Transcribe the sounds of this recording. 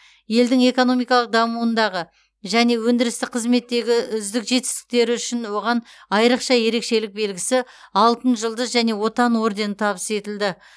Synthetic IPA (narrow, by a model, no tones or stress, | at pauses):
je̞ld̪ɪŋe̞ko̞no̞mijkɑlˠəq̚d̪ɑmuənd̪ɑʁə | ʒæne̞wɵnd̪ɪɾɪst̪ɪqʰəzme̞t̪ːe̞ɡʲɪʏzd̪ɪkʒe̞t̪ɪ̥st̪ɪ̥k̚t̪e̞ɾɪʏʃɪnwo̞ʁɑn | ɑjɾəqʃɑje̞ɾe̞kʃe̞lɪk̚be̞lɡʲɪsɪ | ɑlˠt̪ənʒəlˠd̪əzʒæne̞wo̞t̪ɑnwo̞ɾd̪e̞nt̪ʰɑβəse̞t̪ɪld̪ɪ